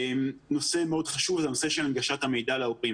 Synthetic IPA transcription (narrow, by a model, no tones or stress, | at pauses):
mno̞se̞meo̞dχaʃuvzenoseʃelanɡaʃat̪hame̞jdaleopʁi